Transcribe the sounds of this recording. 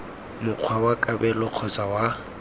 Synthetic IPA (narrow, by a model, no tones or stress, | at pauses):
mʊq͡χʰwawakʼabɛlʊq͡χʰɔt͡sʼawa